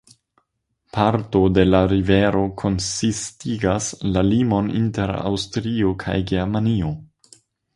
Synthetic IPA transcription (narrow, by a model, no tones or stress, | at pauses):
pʰaɾto̞de̞laɾive̞ɾo̞kʰo̞nsistiɡaslalimo̞nḭnteɾa̰wstɾio̞kʰa̰jɡeɾmanio̞